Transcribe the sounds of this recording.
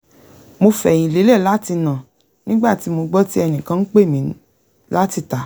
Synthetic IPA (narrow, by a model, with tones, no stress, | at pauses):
mo˧fɛ̃˨ĩ˨le˨˦le˦˨la˨˦ti˧nã˨ | nĩ˦ɡ͡ba˦˨ti˨˦mo˧ɡ͡bɔ˦ti˦ɛ˧nĩ˨kã˧n̩˦k͡pe˦˨mĩ˨˦ | la˦ti˧ta˨˦